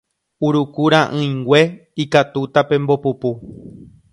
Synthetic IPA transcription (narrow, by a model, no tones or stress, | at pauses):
uɾukuɾãʔɨ̃j̃ɡwʷe̞ikat̪ut̪apẽ̞mbo̞pupu